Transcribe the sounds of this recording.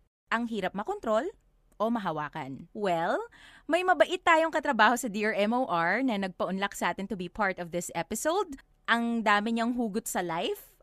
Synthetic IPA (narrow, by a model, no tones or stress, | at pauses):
ʔɐŋɦiːɾɐp̚mɐkont̪ɾo̞l | ʔo̞mɐɦɐwaːkɐ̰nwɛlmɐjmɐbɐʔɪt̪ːaːjoŋkɐt̪ɾɐbaːho̞sɐd̪iːʔɐɹʔɛmowʔaɹnɐnɐɡ̚pɐʔʊnlɐk̚sɐʔaːt̪ɪnt̪ʊbipʰaɹt̪ɔvd̪ɪsʔɛpɪsowd̪̚ | ʔɐŋd̪aːmɪɲɐŋɦuːɡʊt̪̚sɐlajf